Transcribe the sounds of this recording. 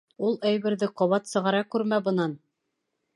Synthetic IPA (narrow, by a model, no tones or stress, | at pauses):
ulˠæjβɘ̆ɾðɘqŏβɑt̪sɤ̆ʁɑɾɑkʉɾmæbɤ̆nɑn